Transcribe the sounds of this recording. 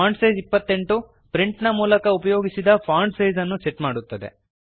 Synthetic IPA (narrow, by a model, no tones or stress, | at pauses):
aːɳɖsɐjzipːɐt̪ːe̞ɳʈu | pɾiɳʈnɐmuːlɐkɐupɐjo̞ːɡisid̪ɐpʰaːɳɖsɐjzɐnːuseʈmaːɽut̪ːɐd̪e̞̰